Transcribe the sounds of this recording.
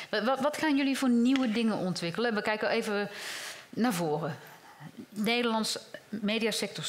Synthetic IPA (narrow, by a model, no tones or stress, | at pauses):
ʋʋɔtxaːnjølivoːrniwədɪŋənʔɔntʋɪkələʋəkɛjkəeːvə | navoːrə | neːdərlɑntsmeːdijasɛk̚tɔs